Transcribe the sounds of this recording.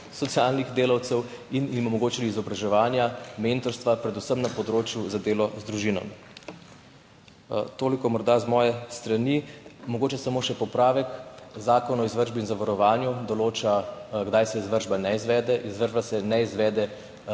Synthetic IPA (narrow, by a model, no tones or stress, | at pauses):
sɔt̪sijalniɣd̪eːlawt̪sɛw | inimɔmɔɡoːt͡ʃiliːzɔbɾaʒɛʋaːnjament̪ɔɾst̪ʋapɾɛd̪usəmnapɔd̪ɾoːt͡ʃjuzad̪eːlɔzd̪ɾuʒinɔ̰mi | t̪oːlikɔmɔɾd̪azmɔːjɛst̪ɾanimɔɡoːt͡ʃɛsamoːʃɛpɔpɾaːʋɛkzaːkɔnɔizʋəɾʒbiːnzaʋaɾɔʋaːnjud̪ɔloːt͡ʃaɡd̪ajsɛizʋəɾʒbanɛizʋɛːd̪ɛʔizʋəɾʒbasɛnɛizʋɛːd̪ɛ